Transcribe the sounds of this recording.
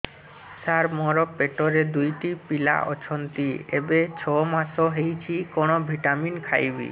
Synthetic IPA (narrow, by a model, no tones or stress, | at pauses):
saɾmɔɾɔpeʈoɾed̪ujʈipila̰ʔɔ̰t͡ʃʰɔnt̪iebet͡ɕʰɔmat̪ʰoɦejt͡ɕʰikonobʱiʈaminkʰa̰jbḭ